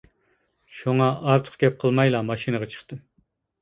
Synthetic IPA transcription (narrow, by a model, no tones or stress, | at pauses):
ʃuŋɑʔɑɾt̪ʰə̥χɡʲɛp̚qʰəlˠmɑjlˠɑmɑʃinɨʁɑt͡ʃʰə̥χt̪ɨm